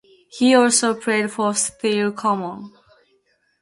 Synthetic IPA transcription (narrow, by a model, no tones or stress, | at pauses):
hiɔlsoʊpʰɹ̥eɪdfɔsθilkʰɔmə̃n